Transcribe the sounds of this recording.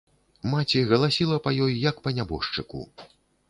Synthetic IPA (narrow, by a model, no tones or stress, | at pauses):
mat͡sʲiɣɐlˠasʲilˠɐpɐjɔjjɐkpɐnʲabɔ̰ʂt͡ʂɨkṵ